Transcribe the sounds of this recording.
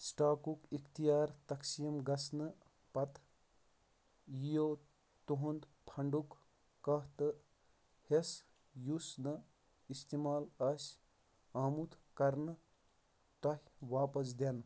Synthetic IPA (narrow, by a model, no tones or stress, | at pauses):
sʈaːkukikt̪ijaːɾt̪ɐksijmɡɐsnə | pɐt̪ | jijo | t̪uɦund̪pʰɐɳɖukː | ɐɦt̪ɨ | hes | jusnə | ist̪imaːlɐs | aːmut̪kɐɾn | t̪ɐɦʲʋaːpəsd̪en